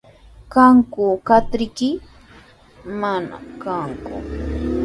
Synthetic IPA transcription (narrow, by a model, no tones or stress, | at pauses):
kaŋkʊkat̪ɾɪkɪ | mana̰kaŋkʊ̰